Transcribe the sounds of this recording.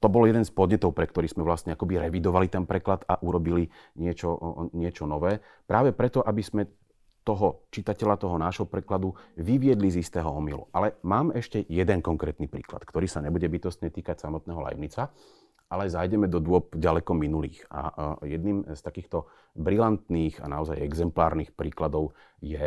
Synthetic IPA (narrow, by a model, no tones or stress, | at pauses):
t̪ɔbɔljɛd̪ɛnspɔd̪ɲɛt̪ɔʊpɾɛkt̪ɔɾiːszmɛʋlast̪ɲɛakɔbiɾɛʋid̪ɔʋalit̪ɛnpɾɛklad̪aʔuɾɔbili | ɲɪɛt͡ʃɔɲɪɛt͡ʃɔnɔʋɛː | pɾaːʋɛpɾɛt̪ɔʔabizmɛ | t̪ɔɦɔt͡ʃit̪acɛʎat̪ɔɦɔnaːʒɦɔpɾɛklad̪uʋiʋɪɛd̪lizist̪ɛːɦɔɔmilṵʔalɛmaːmɛʃcɛjɛd̪ɛnkɔŋkɾɛːt̪nipɾḭːkla̰t̪kt̪ɔɾiːsaɲɛbuɟɛbit̪ɔst̪ɲɛt̪iːkacsamɔt̪̚nɛːɦɔla̰jmɲit͡sa | alɛzajɟɛmɛd̪ɔd̪ʊɔp̚ɟalɛkɔminulḭːxa̰jɛd̪niːmst̪akiːxt̪ɔ | bɾilant̪niːxa̰naɔzajɛɡzɛmplaːɾniːxpɾiːklad̪ɔʊ | jɛ